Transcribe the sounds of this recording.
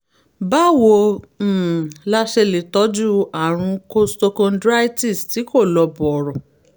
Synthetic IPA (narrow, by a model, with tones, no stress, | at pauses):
ba˦wo˧˨ | la˦ʃe˧le˨tɔ˨˦d͡ʒu˦a˦˨ɾ̃ũ˧ko˦sto˧kɔ̃˧ndɾa˦jti˦˨sti˨˦ko˦˨lɔ˧bɔ˨ɾɔ˨